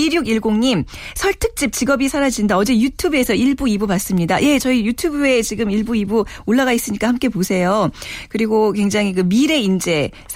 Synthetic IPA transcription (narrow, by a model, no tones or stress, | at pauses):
iɾjuɡiɭɡoŋɲimsʰʌɭtʰɯk̚t͡ɕ͈ip̚t͡ɕiɡʌbisʰaɾad͡ʑindaʌd͡ʑe̞jutʰubesʰʌiɭbuibupas͈ɯmɲidaje̞t͡ɕʌijutʰjubue̞t͡ɕiɡɯmiɭbuibuoɭːaɣais͈ɯɲik͈ahamk͈e̞posʰe̞jokɯɾiɡokwe̞ŋd͡ʑaŋɦikɯmiɾe̞ind͡ʑe̞ | s